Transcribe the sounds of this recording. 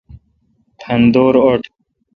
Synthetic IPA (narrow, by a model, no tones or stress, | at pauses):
pʰɐnd̪oːɾoʈʰ